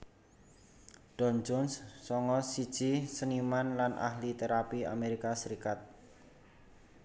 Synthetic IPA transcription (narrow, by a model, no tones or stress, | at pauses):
ɖ̥ɔnd͡ʒɔnsːɔŋɔsi̥ʒ̥isənimanlanʔa̰hlit̪eɾapia̰meɾikasəɾikat̪̚